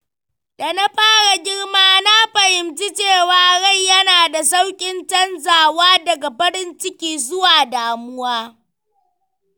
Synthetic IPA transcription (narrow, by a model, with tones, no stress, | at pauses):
da˨na˦ɸaː˦ɽa˨ɡʲɪ˦ɽmaː˦na˦ɸɐ˨hɪ˨mt͡ʃi˦t͡ʃeː˦˨waː˨ɽa˦˨jjɐ˦naː˨da˨sa˦wkʲʼɪ˦nt͡ʃɐ˦nzaː˨waː˦dɐ˨ɡa˨ɸɐ˦ɾɪ˦nt͡ʃɪ˦kʲiː˦zʊ˦waː˨daː˨mʊ˦waː˦